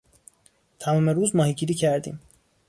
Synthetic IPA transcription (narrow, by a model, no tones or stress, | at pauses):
t̪ʰæmuːmeɾuːzmɒːhiɟiːɾiːcʰæɾd̪ḭːm